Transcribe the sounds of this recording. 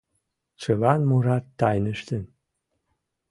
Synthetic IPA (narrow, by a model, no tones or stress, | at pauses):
t͡sɨlɑnmuɾɑt̪ːɑjnəʃt̪ən